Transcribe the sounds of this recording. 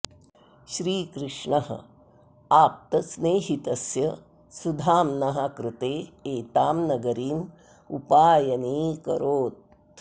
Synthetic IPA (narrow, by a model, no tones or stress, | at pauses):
ʃɾiːkɾɪʂɳɐɦɐ̰ | aːp̚t̪ɐsneːɦit̪ɐsjɐ | sud̪ʱaːmnɐɦakɾɪt̪eːeːt̪aːmnɐɡɐɾiːm | ṵpaːjɐniːkɐ̰ɾoːt̪̚